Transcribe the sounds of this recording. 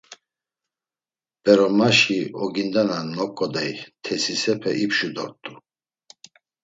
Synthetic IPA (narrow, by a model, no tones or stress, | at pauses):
b̥ɛɾɔmaʃiɔɡind̪ananɔkʼːɔd̪ajt̪ʰɛsisɛpʰɛʔipʃud̪ɔ̰ɾt̪ʼu